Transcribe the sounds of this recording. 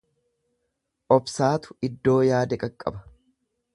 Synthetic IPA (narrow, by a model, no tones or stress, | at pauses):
ʔɔbsaːt̪ʊ̥ɪd̪ːo̞ːjaːd̪ɛkʼɐkʼːɐ̰bɐ̥